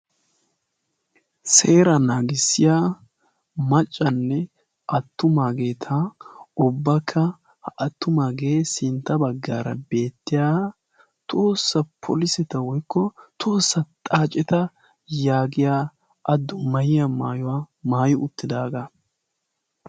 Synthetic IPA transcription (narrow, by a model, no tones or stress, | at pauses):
seːɾɐnaːɡɪsːɪjaː | mɐt͡ʃʼːɐnːɛ | ʔɐt̪ːʊmaːɡeːt̪ʰaʊbːɐkʰːɐ | hʔɐt̪ːʊmaːɡeːsɪnt̪ːɐbɐɡːaːɾɐ̰be̞ːt̪ːɪjaː | t̪ʰo̞ːsːɐpʰɔ̰lɪsɛt̪ɐwɔjkːɔt̪ʰo̞ːsːɐt̪ʼaːt͡ʃʼɛt̪ɐ | jaːɡɪjaː | ʔɐd̪ːʊmɐjɪjɐmaːjʊwamaːjɪʊt̪ːɪd̪aːɡa